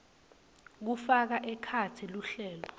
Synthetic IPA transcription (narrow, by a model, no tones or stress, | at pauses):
k̬ufak̬aʔɛkʰatʰiluɬɛːlɔ